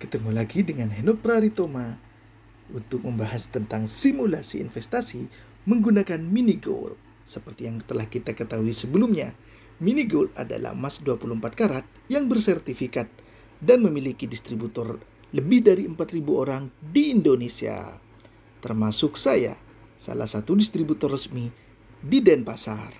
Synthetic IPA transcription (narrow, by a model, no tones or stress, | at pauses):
kə̥t̪əmulaɡidəŋanɦenɔp̚t̪ɾaɾit̪oma | unt̪ʊk̚məmbaɦast̪ənt̪aŋsimulasḭːnfɛst̪asi | məŋɡunakanminiɡo̰l̚ | səpərt̪ijaŋt̪əlahkit̪akət̪aɦuisəbəlumɲa | miniɡolt̪a̰da̰la̰hmasduapuluhəmpat̪̚kaɾat̪̚jaŋbərsɛrt̪ifikat̪̚ | danməmilikidist̪ɾibut̪ɔr | ləbɪhdaɾiəmpat̪ribuoɾaŋdiːndonesia̰ | t̪ərmasʊksaja̰ | sa̰la̰hsat̪udist̪ɾibut̪ɔrːəsmi | didɛnpasar